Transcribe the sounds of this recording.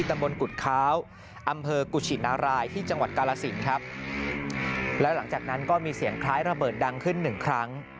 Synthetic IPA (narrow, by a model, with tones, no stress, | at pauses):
iː˥˩t̪a˧mbo˧nku˨˩t̪̚kʰaː˦˥w | ʔa˧mpʰɤː˧ku˨˩t͡ɕʰi˨˩naː˧˥wɾaː˧jt̪ʰiː˥˩t͡ɕa˧ŋwa˨˩t̪̚kaː˧laː˧si˩˦nkʰɾa˦˥p̚ | lɛ˦˥wla˩˦ŋt͡ɕaː˨˩k̚na˦˥nkɔː˥˩miː˧si˨˩˦əŋkʰɾaː˦˥jɾa˧bɤː˨˩t̪̚da˧ŋkʰɯ˥˩nːɯ˨˩ŋkʰɾa˦˥ŋ